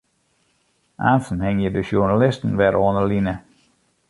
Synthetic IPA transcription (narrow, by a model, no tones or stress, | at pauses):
a̰ːnsən̩hɪŋjədəʃunalɪstən̩ʋɛɾoːnəlinə